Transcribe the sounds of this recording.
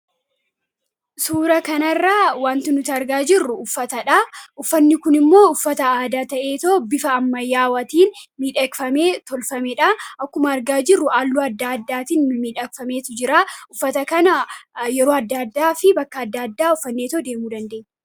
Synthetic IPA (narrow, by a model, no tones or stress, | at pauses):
suːɾɐkɐnɐrːaːwaːnt̪ɪnʊt̪ɐɐɾɡaːd͡ʒɪrːʊʊfːɐt̪ɐᶑaʊfːɐnːɪkʊnɪmːo̞ːʊfːɐt̪ɐaːd̪aːt̪ɐʔe̞ːt̪oːbɪfɐːmːɐjːaːwɐt̪iːnmiːᶑɐkfɐmeːt̪ɔlfɐmɛᶑɐʔɐkːʊmɐːɾɡaːd͡ʒɪrːʊʔaːlːuːɐd̪ːaɐd̪ːaːt̪iːnmiːᶑɐkfɐme̞ːt̪ʊd͡ʒɪɾaːʊfːɐt̪ɐkɐnɐjɛɾoːɐd̪ːaːd̪ːaːfɪbɐkːɐːd̪ːɐd̪ːaːʊfːɐnːe̞ːt̪oːd̪e̞ːmuːd̪ɐnd̪e̞ːɛ